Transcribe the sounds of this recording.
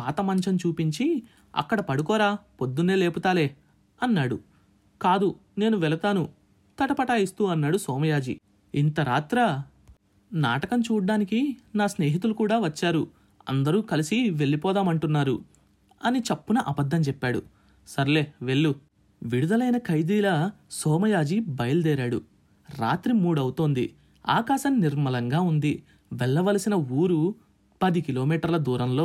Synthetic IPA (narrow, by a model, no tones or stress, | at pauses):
aːt̪ɐmɐɲt͡ʃɐnt͡ʃuːpiɲt͡ʃi | ɐ̰kːɐɽɐpɐɽukɔːɾaːpo̞d̪ːune̞ːle̞ːput̪aːleː | ɐnːaːɽṵ | kaːd̪u | ne̞ːnuʋɛlɐt̪aːnu | t̪ɐʈɐpɐʈaːjist̪uːɐnːaːɽusɔːmɐjaːd͡ʒḭ | int̪ɐɾaːt̪ɾɐ | na̰ːʈɐkɐnt͡ʃuːɖːaːnikinaːsne̞ːɦit̪̬ulukuːɽaːʋɐt͡ʃːaːɾu | ɐ̰nd̪ɐɾuːkɐlisiʋe̞ɭːipɔːd̪aːmɐɳʈunːaːɾṵ | ɐnit͡ʃɐpːunɐʔɐbɐd̪ʱːɐmt͡ʃɛpːaːɽṵ | sɐɾle̞ːʋe̞ɭːu | ʋiɽud̪ɐlɐjnɐkɐjd̪iːlɐsɔːmɐjaːd͡ʒibɐjɐld̪ɛːɾaːɽṵ | ɾa̰ːt̪ɾimuːɽɐwut̪oːnd̪ḭ | a̰ːkaːʃɐmniɾmɐlɐŋɡaːund̪i | ʋɛɭːɐʋɐlɐsinɐuːɾu | pɐd̪ikilo̞ːmiːʈɐɾlɐd̪uːɾɐmlo̞ː